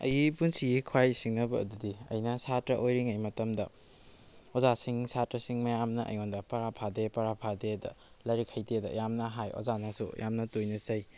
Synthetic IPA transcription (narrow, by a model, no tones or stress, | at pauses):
ɐ̰jipunsiɡikʰuwajsiŋnɐbɐ̰ːdudiɐ̰jnɐsatɾɐʔojɾiŋɐjmɐtɐmdɐ̰ | ozasiŋsatɾɐsiŋmɐjamnɐʔɐ̰jŋondɐpɐɾapʰadepɐɾapʰadedɐ̰ | lɐɾikʰɐjtedɐ̰jamnɐɦajo̰zanasṵjʔa̰mnɐtojnɐsɐj